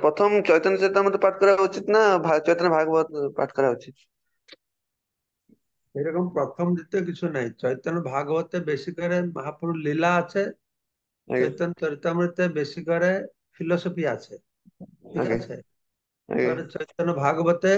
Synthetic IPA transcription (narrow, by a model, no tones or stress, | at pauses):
pɾɔt̪ʰɔmt͡ʃɔjt̪ɔnt͡ʃɔɾit̪amɾt̪paʈʰkɔɾaut͡ʃit̪nabʱat͡ʃɔjt̪ɔnbʱaɡbɔt̪pa̰ʈʰkɔɾaut͡ʃit̪ | eɾɔkɔmpɾɔt̪ʰɔmd̪it̪ek̬it͡ʃʰunaɦĩt͡ʃɔjt̪ɔnɔbʱaɡɔbɔt̪ebesikɔɾemɐɦapuɾulilaːt͡ʃʰḛ | t͡ʃɔjt̪ɔnt͡ʃɔɾit̪amɾit̪ebesikɔɾe | pʰilɔsɔpʰiat͡ʃʰe | kikaet͡ʃʰḛ | kɔɾet͡ʃɔjt̪ɔnɔbʱaɡɔbɔt̪e